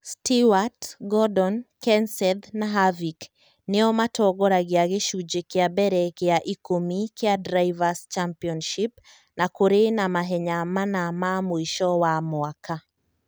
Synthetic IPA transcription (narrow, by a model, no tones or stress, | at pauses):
stiwatɡɔdɔnkɛnsɛd̪naɦavik | nɪɔmatɔɡɔɾaɡɪaɡeʃud͡ʒekeabɛɾɛkeaʔikomikʰeadɾajvast͡ʃampiɔnʃip | nakoɾenamaɦɛɲamanamamoiʃɔwamwaka